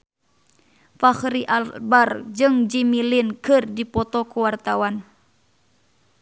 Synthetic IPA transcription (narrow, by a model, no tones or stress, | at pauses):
faxɾiʔalbard͡ʒɨŋd͡ʒimilinkɨrdipɔt̪ɔkuwart̪awan